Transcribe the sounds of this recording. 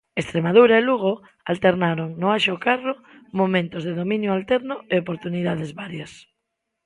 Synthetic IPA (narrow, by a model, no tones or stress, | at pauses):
est̪ɾemað̞uɾaeluɣ̞o | alt̪eɾnaɾoŋnoaʃokaro | momẽnt̪ozðeðomĩnjoalt̪ɛɾnʊeopoɾt̪uniðað̞ezβaɾjas